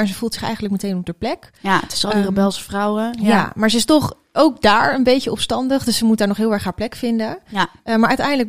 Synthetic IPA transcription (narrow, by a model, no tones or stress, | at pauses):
ɛnzəv̥uːlˠtsɪχɛ̰jχəntləkmətejnɔb̚dəɹplɛk | tɪ̥sɑlˠdərəbɛlˠsəfrɑwəjjamaːɹzəɪstɔχ | owk̚daːɹənbejəɔpstɑndəχdɵssəmut̚daːɹnɔχɦɪːlˠɛɹχɦaːɹplɛkfɪndəmaːɹʔœɥtɛjndələ